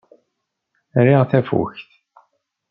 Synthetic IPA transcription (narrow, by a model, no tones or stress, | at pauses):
ɾiʁθæfṵçθ